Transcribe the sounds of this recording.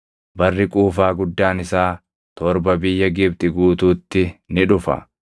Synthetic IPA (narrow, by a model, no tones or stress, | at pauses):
bɐrːɪkʼuːfaːɡʊd̪ːaːnɪsaː | t̪ɔɾbɐbɪjːɐɡɪb̚t̪ʼɪɡuːt̪uːt̪ːɪnɪᶑʊfɐ̰